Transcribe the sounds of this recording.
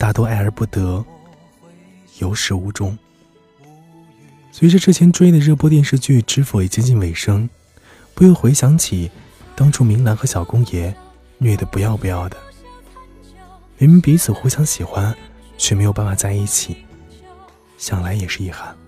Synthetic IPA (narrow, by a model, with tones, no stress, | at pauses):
t̪a˥˩t̪wɔ˥a˥˩ɪə˞˧˥pu˥˩t̪ɤ˧˥ | jo˧˥ʊʂɻ̩˧˥u˧˥˩ʈ͡ʂʊ˥ŋ | swɔ˧˥i˨˧˩ʈ͡ʂɤ˥˧ʈ͡ʂɻ̩˥˩t͡ɕʰjɛ˧˥nʈ͡ʂwe˥i˥˩d̪ə˧ɻɤ˥˩pwɔ˥t̪̬jɛ˥˧nʂɻ̩˥˧t͡ɕy˥˩ʈ͡ʂɻ̩˧˥fu˧˥i˨˩t͡ɕjɛ˥˧t͡ɕi˥˧nwe˧˥˩ɪʂɤ˥ŋ | pu˧˥jo˥˩xwe˧˥ɪɕjɑ˧˥ŋt͡ɕʰi˨˩ | t̪ɑ˥ŋʈ͡ʂʰu˥mi˧˥ŋla˧˥nxɤ˧˥ɕjɑ˨˩ʊkʊ˥ŋjɛ˧˥ | nɥɛ˥˩d̪ə˩pu˧˥jɑ˥˧ʊpu˧jɑ˥˩ʊd̪ə˩ | mɛ˧˥mi˧˥npi˧˥t͡sʰɹ̩˨˩xu˧˥ɕjɑ˧˥ŋɕi˨˩xwa˥n | t͡ɕʰɥɛ˧˩me˧˥ɪjo˨˩pa˥˩fa˨˩t͡sa˥˧ɪi˥˩t͡ɕʰi˨˩˦ | ɕjɑ˨˩ŋla˧˥ɪjɛ˨˩ʂɻ̩˥˧i˥˩xa˥˩n